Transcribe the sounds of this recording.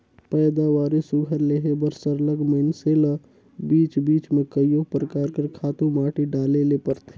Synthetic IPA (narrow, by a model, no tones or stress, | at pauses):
pɛːd̪awaːɾesʊɡʱəɾleɦebəɾsəɾləɡməɪnselə | biːt͡ʃbiːt͡ʃmẽkəjopɾəkaːɾkəɾkʰaːt̪ũmaːʈiɖaːlelepəɾt̪ʰe